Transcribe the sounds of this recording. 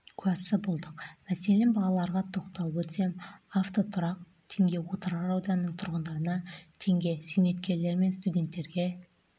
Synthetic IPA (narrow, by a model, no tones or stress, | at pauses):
kʲʰʉæsːəbolˠd̪əqmæse̞lenbɑlˠɑlˠɑɾʁɑt̪ʰo̞qt̪ɑlˠəpɵt̪se̞maft̪o̞t̪ʰʊɾɑq̚ | t̪ʰe̞ŋɡʲe̞wo̞t̪əɾʁɑɑwd̪ɑnənəɴt̪ʰʊɾʁənd̪ɑɾənɑt̪ʰe̞ŋɡʲe̞sijme̞t̪kʲe̞ɾle̞ɾme̞nst̪udʲe̞nt̪ːe̞ɾɡʲe̞